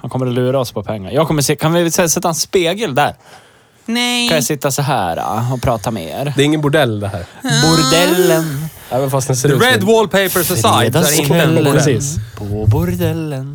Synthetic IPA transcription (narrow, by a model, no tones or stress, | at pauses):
hankɔmːəɾɔlʉ̟ːɾaɔspʰɔpʰɛŋːa̰ɾjɑːɡkʰɔmːəsɪːkʰanvɪsɛsɛt̪ːaɛnspeːɡəld̪æɾ | nɛkãnjasɪt̪ːasɔɦæ̰ːɾa̰ɔpʰɾɑːt̪amḛːɾd̪ɛːɾɪŋːənbʊɖɛlːd̪ɛhæ̰ːɾbʊɾd̪ɛlːən | ɛːvənfast̪d̪ɛnseɹɛd̪wɔlpʰeɪpəsəsaj̪ɛɾɛsiːspʰɔbʊɾd̪ɛlːən